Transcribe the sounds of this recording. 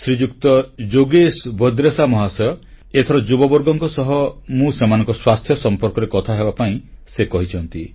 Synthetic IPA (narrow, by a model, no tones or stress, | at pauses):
sɾid͡ʒukt̪ɔd͡ʒoɡesbʱɔd̪ɾesamɔɦasɔjɔ | et̪ʰɔɾɔd͡ʒubɔbɔɾɡɔŋkɔsɔɦɔmũsemanɔŋkɔswast̪ʰjɔsɔmpɔɾkɔɾekɔt̪ʰaɦebapaĩsekɔɦit͡ʃʰɔnt̪i